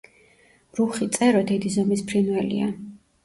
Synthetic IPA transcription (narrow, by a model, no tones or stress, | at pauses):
mɾuχit̪sʼɛɾɔd̪ɛd̪izɔmispʰɾinwɛlḭa